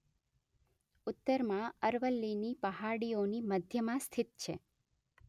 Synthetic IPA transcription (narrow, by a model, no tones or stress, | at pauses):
ʊt̪ːəɾmãəɾʋəlːinipəɦaɽioniməd̪ʱjəmãst̪ʰɪt̪̚t͡ʃʰe